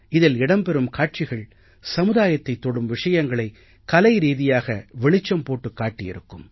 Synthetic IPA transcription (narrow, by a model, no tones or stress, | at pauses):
ɪðɪlɪɽɐmpɛɾɯmkaːʈ̚t͡ʃɪɣɐɭ | sɐmɯðaːjɐt̪ːɐɪt̪ːɔɽɯmʋɪʂɐjɐŋɡɐɭɐɪ | kɐlɐɪɾiːðɪjaːɣɐʋɛɭɪt͡ʃːɐmpoːʈːɯkːaːʈːɪjɪ̰ɾɯkːɯm